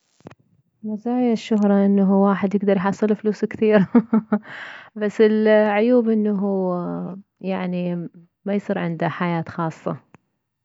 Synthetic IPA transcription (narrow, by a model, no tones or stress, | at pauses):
mazaːjaʃːʊɦɾˤɑʔɪnːaɦuwaːħɪd̪jɪɡd̪ɑɾˤjħɑsˤːɨlfluːskθiːɾ | basːɪlʕʊjuːbʔɪnːaɦuː | jaʕni | majsˤiːɾʕɪ̰nd̪aħajaːt̪xɑːsˤːɑ̰